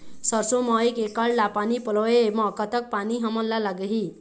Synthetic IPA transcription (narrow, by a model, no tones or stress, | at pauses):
sʌrsomʌekekaɭlapanipʌlɔemʌkʌt̪ʌk̚paniɦʌmʌlːalaɡəɦi